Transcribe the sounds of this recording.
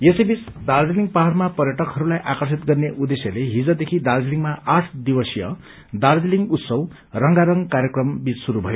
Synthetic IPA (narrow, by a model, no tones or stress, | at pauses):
jesebis | d̪ard͡ziliŋpaɦarmapʌrjʌʈʌkɦʌɾulajʔakʌrsit̪̚ɡʌrneʔud̪esjʌleɦid͡zʌd̪ekʰid̪ard͡ziliŋmaʔaʈʰd̪ibʌsijʌ | d̪ard͡ziliŋɡut̪sʌw | rʌŋɡaɾʌŋkaɾjʌkrʌmbit͡ssuɾubʱʌjo